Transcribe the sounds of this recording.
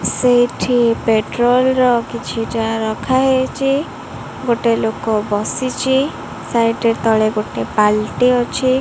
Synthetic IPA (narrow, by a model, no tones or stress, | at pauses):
sejʈʰipeʈɾolɾɔkit͡ʃʰiʈaɾɔkʰaɦet͡ʃʰi | ɡoʈelokɔbɔsit͡ʃʰi | sajʈeɾt̪ɔɭeɡoʈepalʈiɦɔt͡ʃʰi